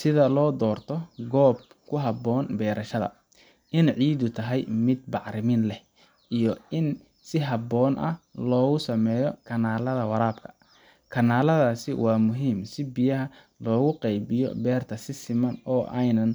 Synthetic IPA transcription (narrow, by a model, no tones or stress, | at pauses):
sɪðɐlɔːd̪ɔːrt̪ʰɔɡɔːb̚ | kʰʊɦɐbɔːnbɛːɾʔɐʃɐðɐ̰ | ʔɪnʕiːd̪ʊt̪ʰɐɦɛjmɪd̪̚bɑʕɾɪmɪnlɛh | ʔijɔɪn | sɪɦɐbɔːnʔɐ̰lɔːɣʊsɐmɛːjɔkʰɐnaːlɐðɐwɑɾaːb̚kʰɐ̥ | kʰɐnaːlɐðaːsɪ̰wɑːmʊɦiːmsɪbɪjɐɦɐ | lɔːɣʊqɛjbɪjɔ̰bɛːrt̪ʰɐsɪsɪmɐnɔːʔɛjnɐn